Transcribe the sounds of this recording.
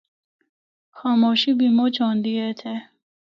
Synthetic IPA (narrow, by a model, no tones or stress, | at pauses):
xaːmoʃibimot͡ɕɔːnd̪iet̪ʰe